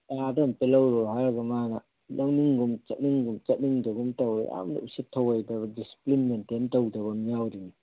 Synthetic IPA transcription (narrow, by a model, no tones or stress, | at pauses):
adɐmpelɐwɾɔɦaɾɐɡɐmanɐ | lʔɐŋniŋɡumt͡ʃɐt̚niŋɡumt͡ʃɐt̚niŋdɐɡumtɐwj̰a̰mdɐ̰usitʰːɐwɐjdɐbɐdisi̥plinmententɐwdɐβɐmijawɾini